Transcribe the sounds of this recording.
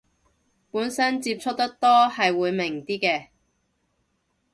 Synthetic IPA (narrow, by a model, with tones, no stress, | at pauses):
puː˨˥nsɐ˥nt͡siː˧p̚t͡ʃʰɵ˥k̚t̪ɐ˥k̚t̪ɔː˥hɐ˨jwuː˨˧jmɪ˨˩ŋt̪iː˥kɛː˧